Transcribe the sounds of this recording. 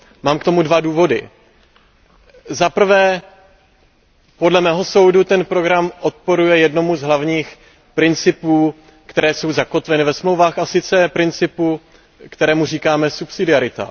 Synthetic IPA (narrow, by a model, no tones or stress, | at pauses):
maːmkt̪o̞mudvaduːvo̞dɪ̰ | zapr̩vɛː | po̞dlɛmɛːɦo̞so̞wdut̪ɛnpɾo̞ɡɾamo̞t̪̚po̞ɾujɛjɛdno̞muzɦlavɲiːx | pɾɪnt͡sɪpuː | kt̪ɛɾɛːso̞wzako̞t̪vɛnɪvɛsmlowvaːxasɪt͡sɛpɾɪnt͡sɪpu | kt̪ɛɾɛːmuriːkaːmɛsupsɪdɪaɾɪt̪a̰